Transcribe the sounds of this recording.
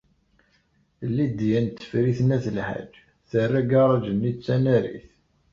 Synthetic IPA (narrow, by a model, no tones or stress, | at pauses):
lːid̪jænt̪ːə̥fɾiθnæθəlħa̰d͡ʒ | θərːæɡɑɾˤɑd͡ʒənːit͡sːænæɾḭθ